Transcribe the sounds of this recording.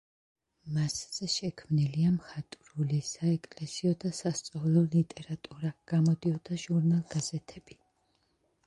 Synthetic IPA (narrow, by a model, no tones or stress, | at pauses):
mastsʃɛkʰmniliamχat̪ʼɾulisaɛkʼlɛsiɔd̪asast̪sʼɔvlˠɔlit̪ʼɛɾat̪ʼuɾaɡ̥amɔd̪iɔd̪aʒuɾnalˠɡazɛt̪ʰɛb̥i